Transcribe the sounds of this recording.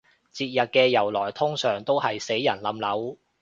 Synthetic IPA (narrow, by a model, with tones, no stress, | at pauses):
t͡siː˧t̚jɐ˨t̚kɛː˧jɐ˨˩wlɔː˨˩jt̪ʰʊ˥ŋsœː˨˩ŋt̪o˥whɐ˨jse˨˥jːɐ˨˩nlɐ˨˥mlɐ˨˥w